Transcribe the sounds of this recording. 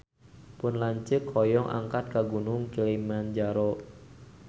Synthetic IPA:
pʊnlaɲt͡ʃəkʰːɔjɔŋʔa̰ŋkat̪̚kaɡunʊŋkilimand͡ʒaɾɔ

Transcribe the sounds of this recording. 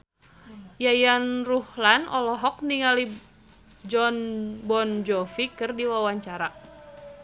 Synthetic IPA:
jajanruhlanʔɔlɔɦɔk̚niŋali | d͡ʒɔnbɔnd͡ʒɔfikɨrdiwawaɲt͡ʃaɾa

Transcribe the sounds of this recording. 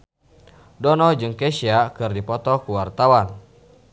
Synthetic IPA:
dɔnɔd͡ʒɨŋkɛsiakɨrdipɔt̪ɔkuwart̪awan

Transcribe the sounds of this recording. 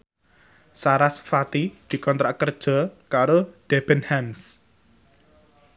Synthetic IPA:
saɾasfat̪id̪̥i̤kɔnt̪ɾaʔkərd̥ʒ̥ɔ̤kaɾod̥ɛb̥ənhɛms

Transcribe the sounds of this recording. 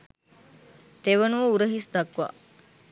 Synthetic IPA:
t̪eʋənuʋəuɾəɦisd̪akʋa̰

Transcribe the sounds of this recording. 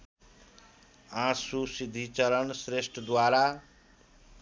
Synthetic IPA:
ãsusid̪ʱit͡sʌɾʌnsɾesʈʰʌd̪waɾa

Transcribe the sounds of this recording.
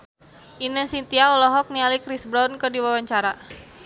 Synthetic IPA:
ʔinəsint̪iaɔlɔɦɔk̚nialikɾisbɾawnkədiwawaɲt͡ʃaɾa

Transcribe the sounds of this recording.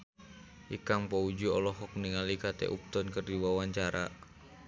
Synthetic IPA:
ʔikaŋpɔud͡ʒuɔlɔɦɔk̚niŋalikat̪ɛ̰ʔup̚t̪ɔnkərdiwawaɲt͡ʃaɾa̰

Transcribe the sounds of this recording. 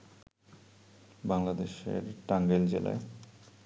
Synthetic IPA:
baŋlad̪eʃḛɾʈaŋɡeld͡ʑela̰e

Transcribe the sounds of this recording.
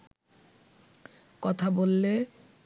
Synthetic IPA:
kɔt̪ʰabolːe

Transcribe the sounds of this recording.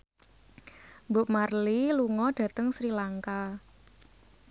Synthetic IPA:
mbʊ̤ʔmarliluŋɔd̥ä̤t̪əŋsɾilaŋka

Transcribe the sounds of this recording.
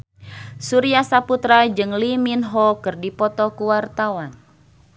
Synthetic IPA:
suɾiasaput̪ɾad͡ʒɨŋliminɦɔkɨrdipɔt̪ɔkuwart̪awan

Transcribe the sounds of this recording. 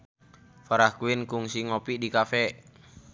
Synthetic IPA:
faɾahkuɪnkuŋsiŋopidikafɛʔ

